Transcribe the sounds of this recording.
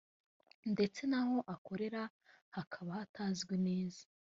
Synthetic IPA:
nde̞t͡se̞naho̞ʔako̞ɾe̞ɾa | hakʰaβahataːzɡwene̞ːzḁ

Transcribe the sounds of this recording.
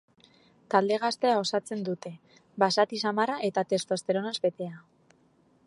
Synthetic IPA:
t̪ald̪e̞ɣ̞ast̪e̞ao̞sat͡se̞nd̪ut̪e̞ | basat̪isamaraʔe̞t̪at̪e̞st̪oast̪e̞ɾo̞nazbe̞t̪e̞a

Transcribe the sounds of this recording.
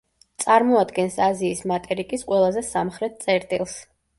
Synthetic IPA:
t̪sʼaɾmɔad̪ɡɛnsaziːsmat̪ʼɛɾikʼisqʼwɛlˠazɛsamχɾɛt̪̚t̪sʼɛɾt̪ʼilˠs

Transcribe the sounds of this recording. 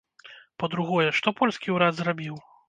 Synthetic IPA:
pɐd̪ɾuɣɔjɛʂt̪ɔpɔlʲsʲkʲiwɾad̪zrabʲiw

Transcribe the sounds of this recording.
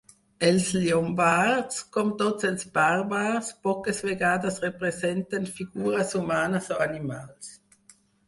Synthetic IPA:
ɛlsliɔmbaʁdskɔmt̪ɔtsɛlsbaʁbaʁspɔkəsveɡaːdasʁepʁesɛntanfiɡuːʁɐsumaːnasoanimaːls

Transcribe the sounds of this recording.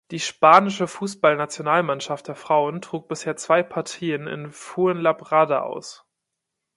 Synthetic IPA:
d̥iːʃpaːnɪʃəfuːsb̥alnat͡sjonaːlmanʃaft̚d̥eːɐfʁ̥aʊəntʁ̥uːk̚b̥ɪsheːɐt͡sv̥aɪpʰaɐtʰiːənɪ̰nfuːənlabʁadaʔa̰ʊs

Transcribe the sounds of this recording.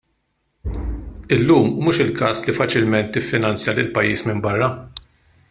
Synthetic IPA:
ɪlːuːmːuːʃɪlkɐːslifɐt͡ʃɪlmɛnt̪ːɪfːɪnɐnt͡sjɐlɪlpɐjːiːsmɪmbɐrːɐ

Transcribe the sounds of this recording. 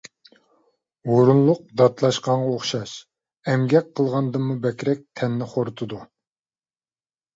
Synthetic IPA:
oɾunlˠʊq̚d̪ɑt̪lˠɑʃqɑɴʁɑoχʃɑʃ | ɛmɡʲɛk̚ʲqʰːəlˠʁɑnd̪ɨmːubɛkʲɾɛk̚ʲt̪ʰɛnːɪχoɾt̪ʰɨd̪u

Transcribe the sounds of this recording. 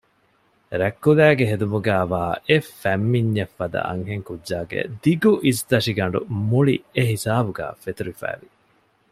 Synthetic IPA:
ɾækːulæːɡeɦed̪umuɡæːʋaːefæmːiɲːefːɐd̪ɐ̰ʔɐ̰ŋɦeŋkudʒaːɡḛd̪iɡuʔisd̪ɐʂiɡɐɳ̆ɖṵmuɭieɦisaːbuɡæ̰ːfet̪uɾifæ̰ːʋi

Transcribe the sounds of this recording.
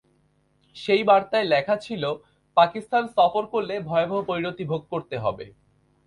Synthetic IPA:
ʃejbaɾt̪aelɛkʰat͡ɕʰilo | pakist̪ansɔfoɾkolːebʱɔebʱoɦopoɾiɾot̪ibʱoɡ̚koɾt̪eɦɔ̰bḛ

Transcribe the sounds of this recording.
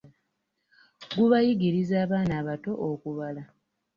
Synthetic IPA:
ɡuβajiɡiɾizaːβaːnaːβato̞ʔokuβala

